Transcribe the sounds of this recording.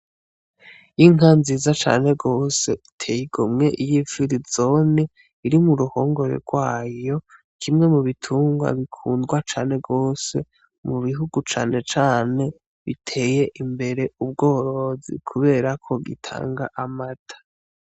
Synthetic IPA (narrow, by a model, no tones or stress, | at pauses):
jiŋanziːzat͡ʃa̰ːnhe̞ɡo̞ːse̞ʔitʰe̞ːjiɡomŋe̞ʔijifiɾizoni | iɾimuɾuho̞ːŋɡo̞ɾe̞̰ɡwaːjo̞ | kʰimŋe̞muβitʰuːŋɡwa̰βikʰuːndɡwat͡ʃaːne̞ɡo̞ːse̞̰ | muβiɦuɡut͡ʃa̰ːne̞t͡ʃaːne̞ | βitʰe̞ːje̞ʔimbe̞ɾe̞ub̚ɡo̞ːɾo̞zḭkʰuβe̞ːɾakʰo̞ɡḭtʰa̰ːŋɡaʔamatʰḁ